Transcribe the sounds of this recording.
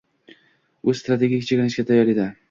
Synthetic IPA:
ʊzst̪ɾat̪ʰe̞ɡʲikʲt͡ʃʰekʲɪnɪʃɡʲat̪ʰajːɒɾed̪a

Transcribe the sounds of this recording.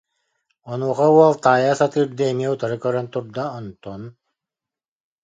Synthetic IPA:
ɔnuːχauɔlˠt̪aːjaːsat̪ɯːɾd̪ɯɛmiɛut̪aɾɯkœɾœnt̪uɾd̪aɔnt̪ɔn

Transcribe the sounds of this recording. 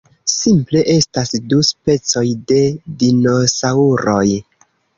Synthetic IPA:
simple̞ʔe̞stasduspe̞t͡so̞jde̞dino̞sauɾo̞j

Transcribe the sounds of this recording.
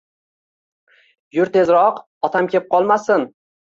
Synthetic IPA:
jʊɾt̪ʰezɾɒq | ɒt̪ʰamkʲʰep̚qʰɒlˠmasɪn

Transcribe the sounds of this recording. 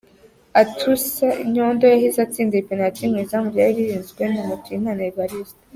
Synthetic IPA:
atʰusaiɲondojahizat͡siːndipinatimŋizamuvjaɾiɾiɾiːnzɡwenamutimaneβaɾizt

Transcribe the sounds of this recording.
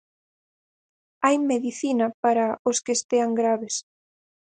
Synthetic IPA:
ajmeðiθinɐpaɾaoskest̪eaŋɡɾaβes

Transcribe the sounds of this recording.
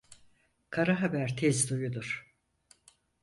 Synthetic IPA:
kʰaɾaɦabæɾt̪ʰɛzd̪ujud̪uɾ̥

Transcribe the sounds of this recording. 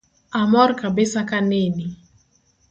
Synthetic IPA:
amɔrkabɪsakaneni

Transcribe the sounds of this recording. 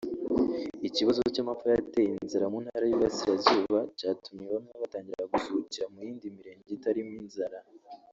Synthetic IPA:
iciβazo̞o̞camafojate̞jinzaɾamuːnhaɾajiβasiɾazuːβacaːtumɲeβamɲeaβataːɲɟiɾeɾaɡuzuuciɾamujiːndimiɾe̞ːɲɟeitaɾiminzaɾa

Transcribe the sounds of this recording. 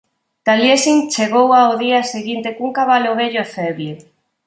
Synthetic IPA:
t̪aljesint͡ʃeɣowawðiaseɣint̪ekuŋkaβaloβeʎoefɛβle

